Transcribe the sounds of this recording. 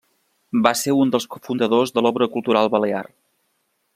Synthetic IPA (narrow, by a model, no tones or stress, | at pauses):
baseund̪əlˠskufund̪əðozðəlɔβɾəkulˠt̪uɾalˠβəlea̰r